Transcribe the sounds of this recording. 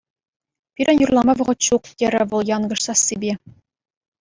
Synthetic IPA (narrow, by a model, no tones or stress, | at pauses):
pʲiɾʲʔɘ̆njurlˠɑmɑʋɤ̆ʁɤ̆t̪ɕuqt̪ʲeɾʲɘ̆ʋɤ̆lˠjɑnɡɤ̆ʂsɑsːʲibʲe